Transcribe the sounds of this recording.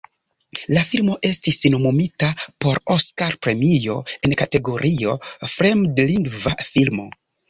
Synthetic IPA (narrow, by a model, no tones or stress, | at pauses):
lafilmo̞ʔe̞stisnomomitapo̞ɾo̞skaɾpɾe̞mio̞e̞nkate̞ɡo̞ɾʔio̞fɾemdliŋɡvafilmo̞̰